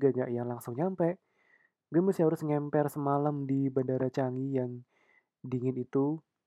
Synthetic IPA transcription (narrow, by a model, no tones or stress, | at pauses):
ɡaŋɡaʔjaŋlaŋsʊŋɲampɛʔ | ɡəmusiɦaɾʊsŋɛmpɛrsəmalamdibandaɾat͡ʃaŋijaŋ | diŋɪnit̪u